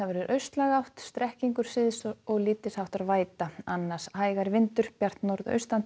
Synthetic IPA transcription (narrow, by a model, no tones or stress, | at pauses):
aðvɛɾʏɾʔœɥst̪laɣawht̪st̪ɾɛhciŋkʏɾ̥sɪðsɔɣliːt̪ɪsawht̪aðvaːjt̪aanːḁshaːjɣaɾvɪnt̪ʏɾ̥pjar̥t̪noɾðœ̰ɥst̪an